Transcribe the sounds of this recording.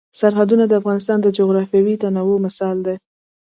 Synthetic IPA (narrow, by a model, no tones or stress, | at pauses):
saɾɦad̪unad̪əafɣɑnɪs̬t̪ɑnd̪əd͡ʒoɣɾɑfjawit̪anawomɪsɑld̪e